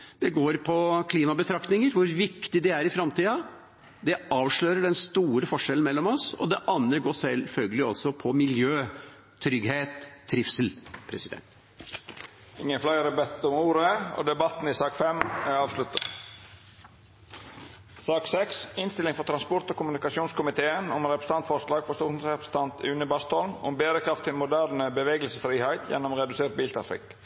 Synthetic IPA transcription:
d̪ɛɡoːɾpʰɔkʰliːmɑbət̪ʰɾɑkt̪nɪŋəɾʋʊɾʋɪkt̪ɪd̪ɛæɾɪfɾɑmt̪ʰiːɑ | d̪ɛɑːʋʂɭøːɾəɖɛnst̪uːɾəfɔʂɛln̩mɛlːɔmɔsɔ̰d̪ɛʔɑnːəɡoːsɛlfœlɡəlɪɔlsɔpʰɔmɪljøː | t̪ʰɾʏɡheːt̪ʰːɾɪfsəl̩pʰɾɛsɪd̪ɛ̰nt̪ | ɪŋːəflæɪɾɛbɛt̪ːɔmuːɾəo̰ːd̪ɛbɑt̪n̩ɪsɑːkfɛmæɑːʋslʉt̪ə | sɑːksɛksɪnst̪ɪlɪŋfɔɾt̪ʰɾɑnspɔɾt̪oːkʊmʉnɪkɑsjuːnskʰʊmɪt̪ʰeːənʊmɾɛpɾəst̪ɑnt̪fɔɾʂlɑːɡfɔɾst̪uːʂn̩sɾɛpɾəsə̥nt̪ʰɑnt̪ʉːnəbɑst̪ɔlmʊ̰mbeːɾəkʰɾɑft̪ʰːɪlmʊd̪æɾnəbəʋeːɡəlsəfɾiːhæɪt̪ʰjɛ̰nːɔmɾɛd̪ʉseːɾt̪̚biːlt̪ʰɾɑfɪ̰k

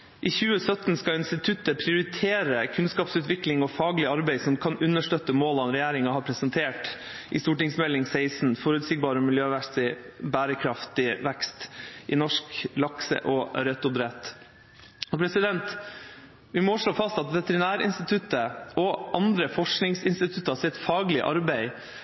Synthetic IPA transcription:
ʔiːçʉːəsœt̪n̩skɑɪnst̪ɪt̪ʰʉt̪ːəpʰɾɪʊɾɪt̪ʰeːɾəkʰʉnskɑːpsʉːt̪ʋɪklɪŋɔfɑːɡlɪɑɾbæɪsɔmkʰɑnʉnːəʂʈœt̪ːəmoːlɑnɾɛjæːɾɪŋɑhɑːɾpʰɾɛsɛnt̪ʰeːʈ | ʔɪst̪uːʈɪŋsmɛlːɪŋseɪsn̩fɔɾʉːt̪sɪɡ̚bɑːɾəmɪljøːʋæst̪ɪbæːɾəkʰɾɑft̪ɪʋɛkst̪ʔɪnɔʂklɑksə̰ʔɔɾɛt̪ːʊd̪ɾɛt̪ | ɔpʰɾɛsɪd̪ɛnt̪ | ʋɪmɔʂɭoːfɑst̪ɑt̪ʋɛt̪əɾɪnæːɾɪ̰nst̪ɪt̪ʰʉt̪ːəɔʔɑnd̪ɾəfɔʂknɪŋsɪnst̪ɪt̪ʰʉt̪ːəɑsɪt̪fɑːɡlɪʔɑ̰ɾbæɪ

